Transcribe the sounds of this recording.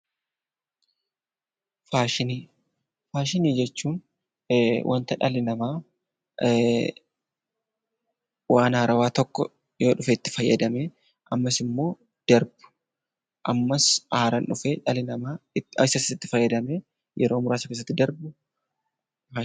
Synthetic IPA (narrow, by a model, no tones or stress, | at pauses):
faːʃɪniː | faːʃɪniːd͡ʒɛt͡ʃːuːn | wʔɐ̰nt̪ɐᶑɐlɪnɐmaː | wʔaːnaːɾɐwaːt̪ɔkːɔ | jo̞ːᶑʊfɛɪt̪ːɪ̥fɐjːɐd̪ɐme | ʔɐmːɐsɪmːo̞ː | d̪̥ɐɾbʊ̥ | ʔɐmːɐsaːɾɐnᶑʊfeːᶑɐlɪnɐmaːɐɪsɐsɪɪt̪ːɪfɐjːɐd̪ɐme | jɛɾo̞ːmʊɾaːsɐkeːs̬ːɐt̪ːɪd̪ɐɾbʊ | a